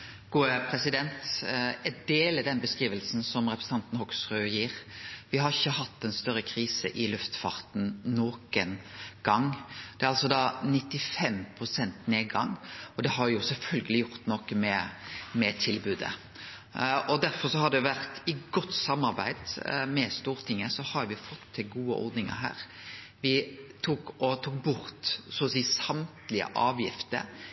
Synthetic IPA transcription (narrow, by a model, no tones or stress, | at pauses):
ɡ̥uːəpʰɾɛsɪd̪ɛnt̪ɛd̪eːlɪd̪ɛnbəskɾiːʋəlsn̩sɔmɾɛpʰɾəs̩ɑnt̪n̩hɔksʁøːjiːɾʋɪhɑɾɪçːəɦɑt̪ːɛnst̪œɾːəkʰɾiːsə̰ʔɪlʉft̪fɑ̰ɾt̪n̩noːkənɡ̥ɑŋd̪ɛæɾɑlsɔd̪ɑːnɪt̪ːɪfɛmpʰɾʊsɛnt̪neːdɡɑ̰ŋɔd̪ɛhɑɾʋjʊsɛlfœlɡəlɪjʊɾt̪nɔkəmɛmɛt̪ʰɪlbʉːd̪ə̰ | ʔɔd̪æɾfɔɾsɔhɑd̪ɛʊʋæɾt̪ɪɡɔt̪ːsɑmːɑɾbæ̰ɪd̪̥mɛst̪uːɾt̪ʰɪŋːəsɔhɑɾʋɪfɔt̪ʰːɪlɡuːə̰ʔɔ̰ɾd̪nɪŋə̰ɾɦæ̰ːɾ | ʋɪt̪ʰuːkɔt̪ʰuːk̚bʊɾt̪soːsiːsɑmt̪lɪə̰ʔɑːʋjɪft̪ə̰ɾ